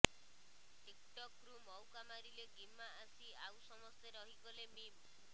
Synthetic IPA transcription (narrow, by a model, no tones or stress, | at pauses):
ʈikʈɔkɾumɔwkamaɾileɡimːaːsiawsɔmɔst̪ʰeɾɔɦikɔlemima